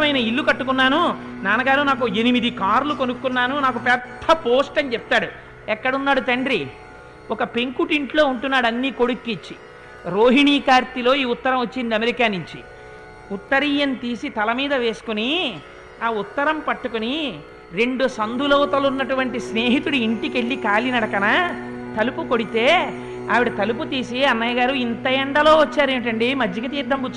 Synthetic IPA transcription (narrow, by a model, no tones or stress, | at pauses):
ɐmɐjnɐilːukɐʈːukunːaːnunaːnɐɡaːɾunaːkue̞nimid̪ikaːɾlukonukːunːaːnunaːkupɛd̪ʰːɐpoːsʈɐnit͡ʃɛp̚t̪aːɽu | ɛkːɐɽɐunːaːɽut̪ɐɳɖɾi | ɔkɐpe̞ŋkuʈiɳʈlo̞ːuɳʈunːaːɽɐnːiːko̞ɽukːit͡ʃːi | ɾo̞ːɦiɳiːkaːɾt̪ilo̞ːiːut̪ːɐɾɐ̃mʋot͡ʃːind̪iɐmeɾikaːnuɲt͡ʃi | ut̪ːɐɾiːjɐnt̪iːsit̪ɐlɐmiːd̪ɐʋe̞ːsu̥kuni | aːut̪ːɐɾɐmpɐʈːukuni | ɾe̞ɳɖusɐnd̪ulɐwɐt̪ɐlunːɐʈuʋɐɳʈisne̞ːɦit̪uɽuiɳʈike̞ɭːikaːlinɐɽɐkɐnɐ | t̪ɐlupukoɽit̪e̞ː | a̰ːʋiɽɐt̪ɐlup̬ut̪iːsiɐnːɐjɐɡaːɾuint̪ɐjɛɳɖɐlo̞ːʋɐt͡ʃːaːɾeːɳʈ̬ɐɳɖimɐd͡ʒːɐkɐt̪iːɾd̪ːɐmkut͡ʃː